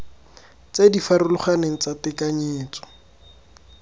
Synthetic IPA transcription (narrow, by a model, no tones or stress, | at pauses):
t͡sedifaɾʊlʊχaneŋ̩t͡satɪkaɲeːt͡sɔ̥